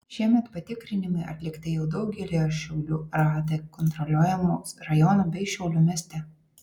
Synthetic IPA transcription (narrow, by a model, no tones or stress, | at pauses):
ʃʲiɛmʲɛt̪pɐt̪ʲɪkɾʲɪnʲɪmɐɪʔɐ̰t̪ʲlʲɪkt̪ʲɪjɛʊd̪ɐʊɡʲɛlʲejoːʃʲɛʊlʲuːɾɑːd̪ɐkɔnt̪ɾɔlʲuɔjɛmuːɾɐjɔnuːbʲɛɪʃʲɛʊlʲuːmʲiɛsʲt̪ʲɛ